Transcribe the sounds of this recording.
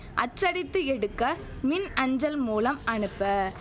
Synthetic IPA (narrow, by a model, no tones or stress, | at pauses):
ʔɐt͡ʃːɐɽɪt̪ːɯɛɽɯkːɐ | mɪnɐɲd͡ʒɐlmuːlɐmɐɳɯpːɐ